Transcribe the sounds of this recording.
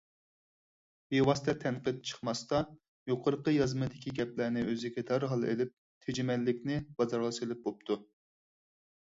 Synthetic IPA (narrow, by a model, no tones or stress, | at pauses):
bewɑst̪ʰɛt̪ʰɛnqəd̪̚t͡ʃʰə̥χmɑst̪ɑ | joqʰəɾəqəjɑzmɨd̪ɪkʲiɡʲɛplænɪʔøzɪɡʲɛd̪ɑɾɦɑlˠḛlɪp̚ | t̪ʰed͡ʒɪmɛlːɪkʲnɪb̥ɑzɑɾlˠɨʃɨlɪp̚bop̚t̪ʰu